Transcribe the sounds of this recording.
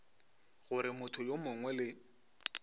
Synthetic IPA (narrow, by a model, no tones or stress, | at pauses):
ɣʊɾɪmʊtʰʊjomʊŋwɛlɪ